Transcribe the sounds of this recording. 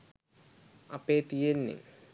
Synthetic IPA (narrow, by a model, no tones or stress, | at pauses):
ɐpeːt̪ijenːḭ